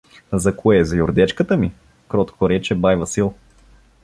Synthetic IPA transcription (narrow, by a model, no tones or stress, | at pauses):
zɐkoɛzɐjʊɾd̪ɛt͡ʃkət̪əmi | kɾɔt̪koɾɛt͡ʃɛbajvɐsilˠ